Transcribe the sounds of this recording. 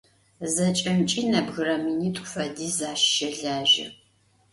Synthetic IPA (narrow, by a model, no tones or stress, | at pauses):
zɐt͡ʃʼɐmt͡ʃʼinɐbɣɨɾɐminiːtʷʼfʷɐdiːzaːʃːɐɮaːʒɪ̰